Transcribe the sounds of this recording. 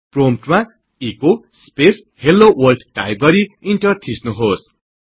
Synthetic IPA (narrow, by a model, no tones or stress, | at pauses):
promp̚ʈma | iko | spes | helːowʌlɖʈajb̚ɡʌɾiiɳʈʌrt̪ʰisnuɦos